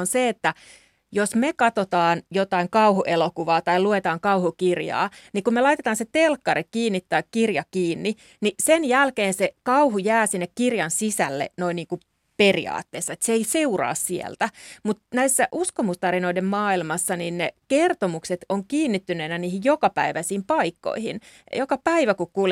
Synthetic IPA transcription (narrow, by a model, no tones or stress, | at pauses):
onseet̪ːæ | josmekɑt̪ot̪ɑːnjot̪ɑiŋkɑuhuʔelokuʋɑːt̪ɑiluet̪ɑːŋkɑuhukirjɑ̰ːnikummelɑit̪et̪ɑːnset̪elkːɑrikiːnːit̪ːɑikkirjɑkiːnːi | nisenjælkeːnsekɑuhujæːsinːekkirjɑnsisælːḛnoinniːŋku | perḭɑ̰ːt̪ːeːsːɑet̪seeiseurɑ̰ːssiḛlt̪æmut̪næisːæʔuskomust̪ɑɾinoidemmɑːilmɑsːɑninnekert̪omukset̪oŋkiːnːit̪ːyneinæniːhijjokɑpæiʋæsiːmpɑikːo̰ihḭnjokɑpæiʋækukkuːl